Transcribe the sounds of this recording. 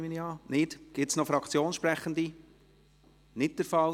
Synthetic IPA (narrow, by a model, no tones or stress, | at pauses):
miniɑːnɪd̥ɡ̥ɪtsnɔfɾɑkʰt͡sjoːnʃpɾɛχənd̪i | nɪt̚dəɾfɑl